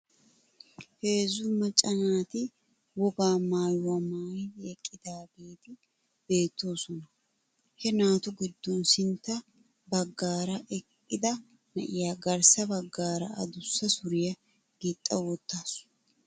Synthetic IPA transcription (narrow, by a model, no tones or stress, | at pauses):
he̞ːzʊmɐt͡ʃʼɐnaːt̪ɪ | wɔɡaːmaːjwɐmaːjɛkʼːɪd̪aːbe̞ːt̪ɪ | b̥e̞ːt̪ːo̞ːsɔnɐ | hɛnaːt̪ʊɡɪd̪ːɔnsɪnt̪ːɐ | bɐɡːaːɾɐʔɛkʼːɪd̪ɐ | nɐʔɪjaːɡɐɾsɐbɐɡːaːɾɐ̰ɐ̰d̪ʊsːɐsʊɾɪjɐ | ɡ̥it̪ʼːɐwɔt̪ːaːsʊ̥